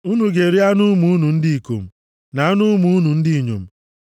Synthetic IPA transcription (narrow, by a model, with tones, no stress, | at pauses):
u˦nu˨ɡe˨ɾi˦a˦nʊ˦mu˨u˦nu˨n̩˦di˦i˨ko̰˨m̩˨ | na˨˦a˦nʊ˦mu˨˦nu˨n̩˦dɪ˦i˨ɲo̰˨m̩˦